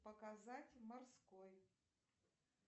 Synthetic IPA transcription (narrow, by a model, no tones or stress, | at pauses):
pɐkazatʲmɐrskoj